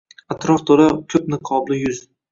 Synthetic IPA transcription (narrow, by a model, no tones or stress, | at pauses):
at̪ɾɒft̪ʰoɾakʲʰɵpnɪqʰɒblɪjʊz̥